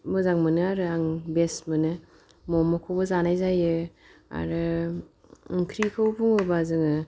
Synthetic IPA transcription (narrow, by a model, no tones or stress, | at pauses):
mɯzaŋmɯnɯaɾɯaŋbesmɯnɯ | mɔmɯkʰowbɯzanajzajɯ | a̰ɾɯ | ɯŋkʰɾikʰɯwbʰuŋɯbazɯŋɯ